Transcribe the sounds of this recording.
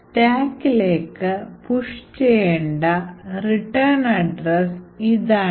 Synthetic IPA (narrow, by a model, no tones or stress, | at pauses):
ʈaːkːile̞ːkːɨpuʂt͡ɕejeɳɖɐriʈːɐrnɐɖrɐsiðaː